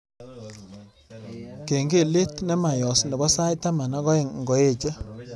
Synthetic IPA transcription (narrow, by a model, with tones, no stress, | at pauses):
ke˨ŋɡe˦˨le˦tnɛ˦ma˨jɔ˨snɛ˨bɔ˦sa˦jta˦ma˨na˦ɡɔ˦ɪ˨ŋŋɡɔ˨e˦˨t͡ʃa˦